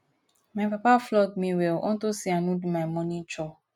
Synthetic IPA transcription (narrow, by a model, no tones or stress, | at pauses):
mãpapaflɔɡ̚mĩwelʔɔ̰̃n̩tosianũdumãmɔ̃nĩt͡ʃɔ